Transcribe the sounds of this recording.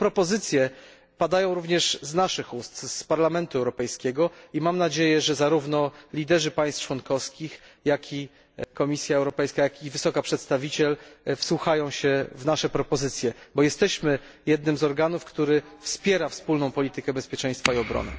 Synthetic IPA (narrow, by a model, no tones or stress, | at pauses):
pɾɔpɔzɘt̪sʲjɛ | pad̪ajɔ̃w̃ɾuvɲɛʂznaʂɘxust̪spaɾlamɛnt̪uɛwɾɔpɛjskʲɛɡɔimamnad͡ʑejɛʐɛzaɾuvnɔlʲid̪ɛʐɘpaj̃st̪t͡ʂwɔnkɔfskʲixjakʲʰi | kɔmʲisʲjaɛwɾɔpɛjskajakʲivɘsɔkapʂɛt̪st̪avʲit͡ɕɛlfswuxajɔ̃w̃ɕɛvnaʂɛpɾɔpɔzɘt̪sʲjɛbɔjɛst̪ɛɕmɘ | jɛd̪nɘmzɔɾɡanufkt̪uɾɘ | fspʲjɛɾafspulnɔ̃w̃pɔlʲit̪ɘkɛbɛspʲjɛt͡ʂɛj̃st̪faiɔbɾɔ̰nɘ̰